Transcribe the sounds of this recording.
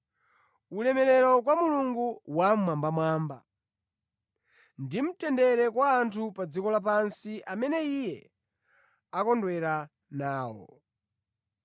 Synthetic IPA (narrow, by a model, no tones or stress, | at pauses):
ulɛmɛɾɛɾɔk̬wamuluŋɡuwamwambamwaːmba̰ | ndim̩tɛndɛɾɛkwaːntʰupad͡zikɔlap̬ansiʔamɛnɛijɛ | akɔndwɛɾa | naːwɔ̰